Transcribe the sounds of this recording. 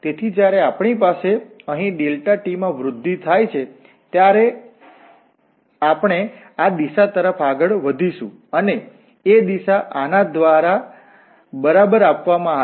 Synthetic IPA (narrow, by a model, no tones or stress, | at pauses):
t̪et̪ʰid͡ʒjaɾeapɳ̃ipaseəɦĩɖelʈaʈimãʋɾʊd̪ʱːit̪ʰajt͡ʃʰe | t̪jaɾe | apɳ̃e | ad̪iʃat̪əɾəfaɡəɭʋəd̪ʱiʃũ | əneː | d̪iʃaʔanad̪ʋaɾa | bəɾabəɾapʋamãa